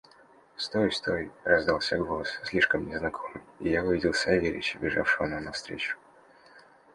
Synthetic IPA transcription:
st̪ojst̪ojrɐzd̪alˠsʲaɡolˠəsʲsʲlʲiʂkəmnʲɪznɐkʰomɨjijavɨvʲidʲɪlˠsʲɐvʲeɾʲɪ̰t͡ɕɪbʲɪʐa̰fʂɨvənanɐfst̪ɾʲḛt͡ɕʊ̥

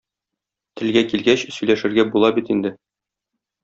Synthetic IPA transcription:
t̪ɘ̆lɡækilɡæɕsɵ̆jlæʃɘ̆ɾɡæbulˠɑbit̪ind̪ɘ

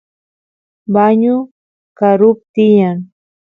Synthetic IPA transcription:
baɲʊ | kaɾʊp̚t̪ɪjaŋ

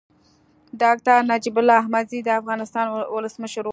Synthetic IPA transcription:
dɑk̚ʈaɾnad͡ʒibʊlːɑahmazid̪əafɣɑnɪst̪ɑnwʊləsməʃəɾ

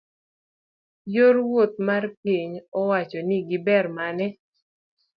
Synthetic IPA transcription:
jorwot̪̚marpiɲɔwat͡ʃɔniɡɪbɛrmanɛ

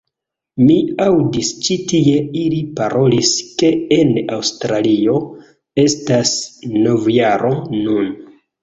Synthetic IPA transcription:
miawdist͡ʃitie̞ilipaɾʔo̞liske̞enawstɾalio̞ | e̞stasno̞vjaɾo̞nun

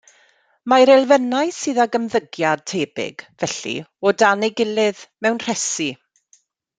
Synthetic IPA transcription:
maɾɛlˠvɛnajsɨːðaɡəmðəɡjad̚tʰeːbɪ̰ɡ̥vɛɬḭɔdaneɡɪlɪðmɛwnr̥ɛsi

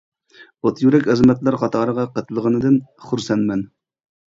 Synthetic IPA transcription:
ot̪ʰjyɾɛkʲɪzmɛt̪lˠɑɾχɑt̪ʰɑːɾəʁɑqət̪ʰlˠəʁənɨd̪ɨnχuɾsɛnmɛn

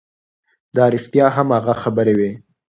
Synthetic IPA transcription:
d̪ɑɑɾixt̪ijɑɦamhaɣaxabəɾewe

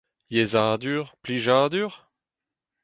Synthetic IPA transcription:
jezaːd̪yːʁpliʒaːd̪yːʁ

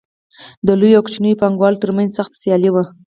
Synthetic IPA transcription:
d̪əlujawkt͡ʃnəjpɑŋɡwɑlt̪əɾmanzsaxt̪ḁsjɑliwa

